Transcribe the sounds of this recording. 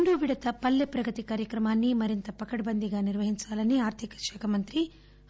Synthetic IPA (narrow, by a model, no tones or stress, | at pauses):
ɳɖuːʋiɽɐt̪ɐpɐlːepɾɐɡɐt̪ikaːɾjɐkɾɐmaːnːimɐɾint̪ɐpɐkɐɽɐbɐnd̪iɡaːniɾʋɐɦiɲt͡ʃaːlɐniaːɾt̪ʰikɐ̥ʃɛːkʰɐmɐnt̪ɾi